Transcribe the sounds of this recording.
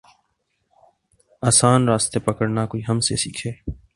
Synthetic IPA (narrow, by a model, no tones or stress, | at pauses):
aːsaːnɾaːst̪eːpəkəɽnakoːiːɦəmsḛːsiːkʰeː